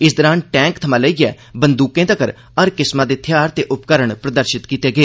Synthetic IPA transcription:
ɪsd̪əɾaːnʈɛ̃ːŋkt̪ʰəmãːləiːɛː | bənd̪uːkẽːt̪əkəɾ | əɾkɪsmãːd̪eːt̪ʰjaːɾt̪eːʔʊpkəɾəɳpɾəd̪əɾʃɪt̪kiːt̪eːɡeː

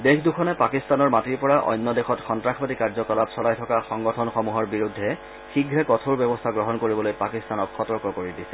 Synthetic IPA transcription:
dexʰdukʰɔnɛpakistanɔɹmatiɹpɔɹaʔɔ̰jnːɔdexɔtxɔntɹaxʰbatikaɹzɔkɔlapsɔlajtʰɔkaxɔŋɡɔtʰɔnxɔmuɦɔɹbiɹudʱːɛ | xiɡʱɹɛkɔtʰoɹbjɛbɔstʰaɡɹɔɦɔnkoɹibɔlojpakistanɔkxɔtɔɹkɔkoɹidisɛ̥

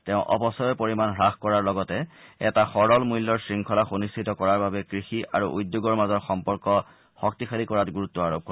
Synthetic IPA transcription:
teʊ̃ʔɔ̰pɔsɔjɔpoɹimanɦɹaxkɔɹaɹlɔɡɔtɛɛtaxɔɹɔlmujlːɔɹsɹiŋkʰɔlaxonistʰitɔkɔɹaɹbabɛkɹixia̰ɹuʔujdjoɡɔɹmazɔɹxɔmpɔɹkɔ | xɔk̚tixʰalikɔɹatɡuɹutːɔaɹob̚kʰɔ

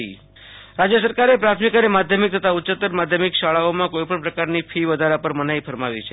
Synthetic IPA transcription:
i | ɾad͡ʒjəsəɾkaɾepɾat̪ʰmikənemad̪ʱjəmik̚t̪ʰət̪auʃət̪ːəɾmad̪ʱjəmikʃaɭaomãkoipəɳpɾəkaɾnifʰiʋəd̪ʱaɾapəɾmənaifəɾmaʋit͡ʃʰe

